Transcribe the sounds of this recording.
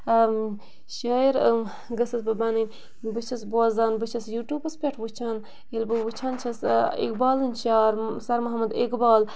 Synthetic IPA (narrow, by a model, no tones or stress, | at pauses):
ʃaːiɾ | ɡɐsɐsbɨbɐnɨnʲ | bɨt͡ʃʰɐsboːzaːnbɨt͡ʃʰɐsjuʈjuːpɐspʲɐʈʰwut͡ʃʰaːn | elbɨwɨt͡ʃʰaːnt͡ʃʰɐsḛkbaːlɨnʃaːɾsɐɾmɐɦɐmɐd̪ekbaːl